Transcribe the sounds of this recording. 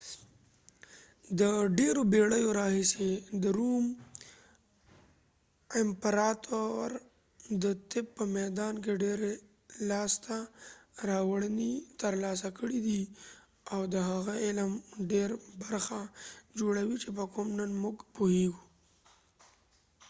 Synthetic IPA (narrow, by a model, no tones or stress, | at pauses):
d̪əɖeɾobeɽəjoɾɑhised̪əɾum | ɪmpɾɑt̪ʰoɾ | d̪ət̪ɪp̚pːəmɛd̪ɑnk̬eɖeɾe | lɑst̪aɾɑwəɽənit̪əɾlɑs̬akəɽid̪i | awd̪əɦaɣaɪlmɖeɾbaɾxad͡ʒoɽawit͡ʃepəkomnənmʊɡpoheɡu